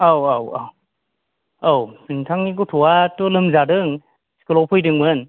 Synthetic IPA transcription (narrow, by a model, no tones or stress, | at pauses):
awawaw | awsɯŋtʰaŋniɡɔtʰɔwatɔlɯmzadɯŋ | si̥kɯlɔpʰɯjdɯŋbɯn